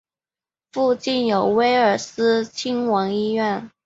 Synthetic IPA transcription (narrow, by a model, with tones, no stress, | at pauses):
fu˥˧t͡ɕi˥˩njo˨˩ʊwe˥ɪə˞˨˩sɹ̩˥t͡ɕʰi˥ŋwɑ˧˥ŋi˥ɥɛ˥˩n